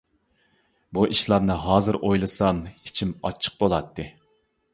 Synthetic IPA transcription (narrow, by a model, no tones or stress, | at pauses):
buʔiʃlˠɑɾnɨɦɑːzɨɾʔojlˠɨsɑmit͡ʃʰimɑ̰t͡ʃʰːə̥q̚bolˠɑt̪ʰːɨ